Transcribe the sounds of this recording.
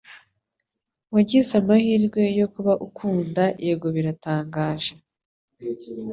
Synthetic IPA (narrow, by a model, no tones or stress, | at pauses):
waɟizamahiːɾɡwe̞jo̞kuβaʔukʰuːndaʔeɡo̞βiɾataːŋɡaːʒe